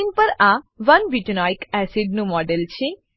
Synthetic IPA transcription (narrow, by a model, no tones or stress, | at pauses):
inpəɾaʋənbiʈənajkɛsiɖ̚nũmɔɖelt͡ʃʰe